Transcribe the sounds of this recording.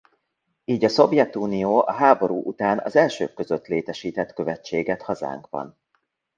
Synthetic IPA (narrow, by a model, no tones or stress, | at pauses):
iːɟɒso̞vjɛt̪uːnijoːʔɒɦaːbo̞ɾuːʔut̪aːnɒ̰zɛlʃø̰ːkkːø̞zøt̪leːt̪ɛʃiːt̪ɛt̪kø̞vɛt͡ʃːeːɡɛt̪hɒza̰ːŋkʋɒ̰n